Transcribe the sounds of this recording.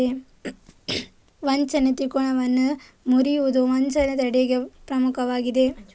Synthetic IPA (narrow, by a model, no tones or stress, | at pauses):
e | ʋɐnt͡ʃɐnet̪ikoɳɐʋɐnːɐ | muɾiud̪uʋɐnt͡ʃɐnet̪ɐɽeɡepɾɐmukʰɐʋaːɡid̪e